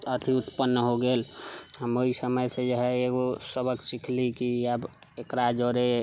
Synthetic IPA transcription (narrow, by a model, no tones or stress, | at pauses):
ət̪ʰiut̪pənːəɦoɡeːlɦəmoisəməjsed͡ʒəɦɛeɡosəbəksikʰlikiəb | ekɾad͡ʒoɾe